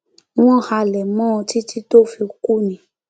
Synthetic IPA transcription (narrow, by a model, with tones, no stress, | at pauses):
w̃ɔ̃˦˨ha˧˨lɛ˨mɔ̃˦˧ti˦ti˦to˦˨fi˧ku˦˨nĩ˨˦